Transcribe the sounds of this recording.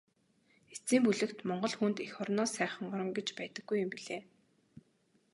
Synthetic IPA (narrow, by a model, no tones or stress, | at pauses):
et͡siːmpuɮɘ̆kt̪mɔɴɢɞ̆ɮxunt̪ixɔrnɔːsæːχə̆ɴɢɔɾɞ̆mɡet͡ɕpæːt̪ə̆ɡːujʊmpiɮeː